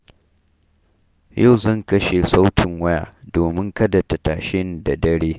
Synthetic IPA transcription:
ja˦˨wzɐ˦˨ŋkɐ˦ʃe˨sa˦wtʰɪ˨ŋwɐ˦ja̰ː˨doː˨mɪ˦ŋkɐ˦dɐ˨ta˨taː˨ʃɪ˦n˦da˨dɐ˦ɽeː˦

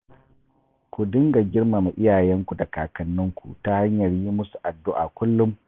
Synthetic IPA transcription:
kʷu˨dɪ˦ŋɡa˨ɡʲɪ˦rma˨ma˨ʔɪ˦jaː˨jɛ˦ŋkʷu˨da˨kaː˨kɐ˨nːʊ˦ŋkʷṵ˨ta˦ha˦ɲjɐ˨rji˦mʊ˦su̥˨ʔa˨dːʊ˦ʔa̰˨kʷʊ˦lːʊ˦m

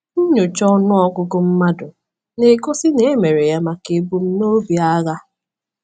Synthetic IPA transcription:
n̩˦ɲo˨t͡ʃɔ˦nʊ˦ɔ˦kʊ˦kʊ˦m̩˦ma˦dʊ˨ | ne˨ko˦si˦ne˨e˦me˨ɾe˨ja˦ma˨ke˨bu˦m̩˦no˦bi˨a˦ɣa˦

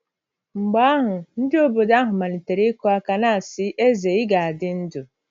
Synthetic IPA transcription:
ŋ͡m̩˨ɡ͡ba˦ɦʊ˨n̩˦dɪ˦o˦bo˨da˦ɦʊ˨ma˨ni˨te˨ɾe˦ko˦a˦ka˨na˦˨sɪ˦ʔe˦ze˨ɪ˦ɡa˨a˨dɪ˦n̩˦dʊ˨

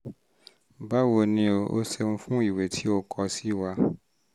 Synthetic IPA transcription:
ba˦wo˧nĩ˧o˨o̰˦sɛ˧ñ̩˧fũ˦i˦˨we˨tʰi˨˦o˧kʰɔ˧si˦wa˧

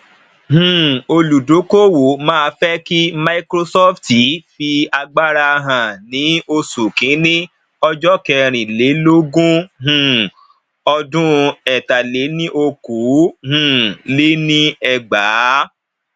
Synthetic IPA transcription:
hũ˨o˧lu˨do˨˦ko˦wo˨mãː˦˧fɛ˦ki˦ma˧i˦kɾo˧sɔ˦fti˨˦fi˧a˧ɡ͡ba˦ɾa˧ɦã˨nĩ˨˦o˧su˨kĩ˨˦nĩ˦ | ɔ˧d͡ʒɔ˦kɛ˧ɾ̃ĩ˨le˨˦lo˦ɡũ˦ɦũ˨ | ɔ˧dũ˦ɛ˨ta˨le˨˦nĩ˦ʔo˧ku˨˦hũ˨le˦nĩ˦ɛ˧ɡ͡baː˨˦

